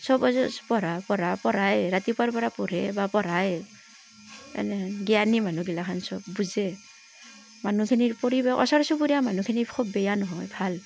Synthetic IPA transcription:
sɔbɔzɔpɔɾapɔɾapɔɾajɹat̪ipaɹpɔɾapɔɾɛbapɔɾaj | ɛ̰nɛɡijanimanuɡilakʰansɔb̚ːuzɛ | manukʰiniɹpɔɾibɛʔɔ̰sɔɾsubuɾiamanukʰinikʰɔbːɛjanɔɦɔjbʱal

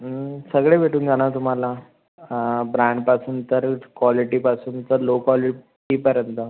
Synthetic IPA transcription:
səɡɭeʋʱeʈuːnd͡zaɽ̃at̪um̤ala | bɾãɳɖpasuːnt̪əɾkʋɔliʈipasuːnt̪əɾlokɔli | ʈiːpəɾjənt̪ə

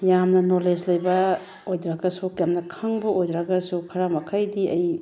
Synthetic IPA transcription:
jamnɐnoled͡ʒlɐjbɐ | ojdɾaɡɐsukjamnɐkʰɐŋbɐʔojdɾɐɡɐsukʰɐɾamɐkʰajdiʔɐj

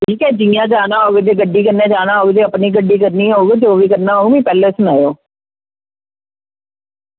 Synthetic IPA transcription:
tiːkɛːd͡ʒĩjãːd͡ʒaːnaːɦoːɡed͡ʒeːɡəɖiːkəɾnãːd͡ʒaːnaːɦoːɡed͡ʒeːəpniːɡəɖːiːkəɾniːɦoːɡed͡ʒoːʋiːkəɾnaːɦoːɡmĩːpɛːleːsʊnaːjoː

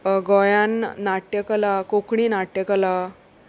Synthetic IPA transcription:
ɡɔjãnːaʈjəkəlakokɳinaʈːəkəla

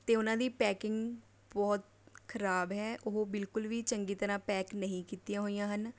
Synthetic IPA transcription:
t̪eːʊnãːd̪iːpɛːkɪŋɡ | bɔːt̪ | kʰəɾaːbɦɛːʔʊɦoːbɪlkʊlʋiːt͡ʃəŋɡiːt̪əɾãːpɛːknəɦĩːkiːt̪ijãːɦoːijãːɦən

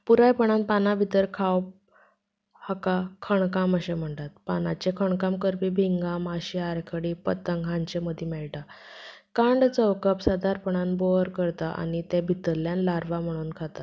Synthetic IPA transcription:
puɾajpəɳ̃anpanabʱit̪əɾkʰawp̚ | hakakʰəɳkaməɕem̤əɳt̪at̪panat͡ɕekʰəɳkamkəɾpiːbʱiŋɡamaɕiaɾkʰəɽipət̪əŋɡɦãɲt͡ɕeməd̪ʱjemɛɭʈa | kãɳɖt͡səwkəpsad̪aɾpəɳ̃anboɾkəɾt̪aʔa̰ɽ̃it̪ebʱit̪əɾljanlaɾʋam̤əɽ̃uːnkʰat̪at̪

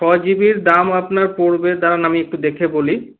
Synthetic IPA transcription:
ʃɔd͡ʑibiɾd̪amapnaɾpoɾbed̪aɾanamiek̚ʈud̪ekʰeboli

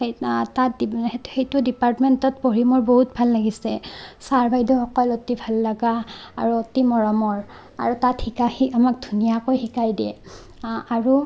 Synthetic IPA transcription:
etatdehejtudipaɹtmɛntɔt̚poɹimɔɹboɦut̚bʱalːaɡisɛsaɹbʱajdɔxɔkɔlotibʱalːaɡa̰ːɹuotimɔɹɔmɔɹ | a̰ɹutathikahiamak̚dʱunijakojxikajdɛ̰ | aɹu

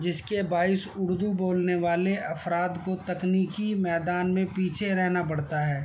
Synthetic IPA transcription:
d͡ʒɪskebaːɪsʊɽd̪uboːlneʋaːleʔɐfɾaːd̪kot̪ɐkniːkimɛːd̪aːnmẽpiːt͡ʃʰeɾɛɦnap̬ɐɽt̪aɦɛː

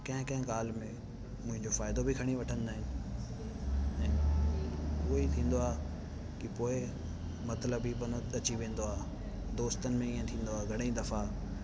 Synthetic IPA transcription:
kɐ̃ɦɪ̃kɐ̃ɦɪ̃ɡaːl̤mẽ | mʊ̃ɦɪ̃ɲd͡ʑofaːɪd̪obʱikʰɐɽ̃iʋɐʈʰəñɪd̪aːɦɪnɪ̆ | ɛ̃ː | ʊoit̪ʰĩːn̆d̪oaː | kipoːɪ | mɐt̪ləbibɐnoɐt͡ɕiʋẽːn̆d̪oaː | d̪oːst̪ənɪ̆mẽiːə̃t̪ʰĩːn̆d̪oaːɡʱɐɽeĩd̪ɐfa

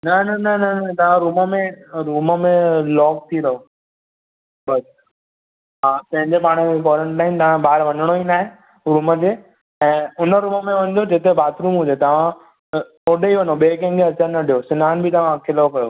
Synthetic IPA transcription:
nɐnɐnɐnɐnɐt̪ɐʋ̤ãɾuːməmẽɾuːməmẽlɔːk̚t̪ʰiɾɐɦo | bɐs | ɦãːpɐ̃ɦɪ̃ɲd͡ʑepaːɽ̃ekɔːɾəɳʈːaːɪnt̪ɐʋ̤ãɓaːɾʋɐ̃ɲəɽ̃oinaːɦẽ | ɾuːməd͡ʑeː | ɛ̃ːʊnəɾuːməmẽʋɐ̃nd̪od͡ʑet̪ebaːt̪ʰɾũːmɦʊ̃d͡ʑet̪ɐʋ̤ã | oːɖeiʋɐnoɓeːk̬ẽŋɡeɐt͡ɕãnɐɖʱijosɪnaːnbʱɪt̪ɐʋ̤ãkʰɪlkɐjo

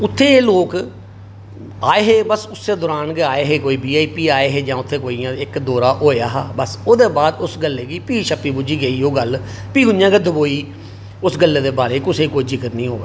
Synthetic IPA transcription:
ʊt̪ʰːeːloːk | aːeːɦeːbəsʊsːeːd̪ɔːɾaːnɡeaːeːɦeːkoːiːbiːaːiːpiːaːeːɦeːd͡ʒãːʊt̪ʰːeːkoːiːãɪkd̪oːɾaːʔoːeaːɦaːbəsoːd̪eːbaːd̪ʊsɡəlːeːɡiːpiːʃəpːiːbʊd͡ʒiːɡəiːoːɡəl | piːɡʊnjãːɡeːd̪əboːiː | ʊsɡəlːeːd̪eːbaːɾeːkʊseːkoːiːd͡ʒɪkət̪nĩːɦoːḛː

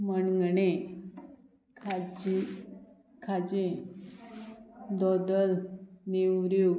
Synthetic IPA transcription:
məɳɡɳe | kʰad͡ʑi | kʰad͡ʑe | d̪ɔd̪əlnewɾju

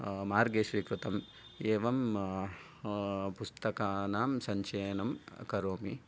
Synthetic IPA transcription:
maːɾɡeːʂʋiːkɾut̪ɐm | eːʋɐm | pust̪ɐkaːnaːmsɐɲt͡ʃeːnɐmkɐɾoːmi

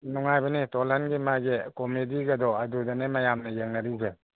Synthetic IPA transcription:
nuŋajbanitɔlanɡimaɡekɔmediɡɐd̪ɔɐdudanemajamnɐjeŋnaɾiɡe

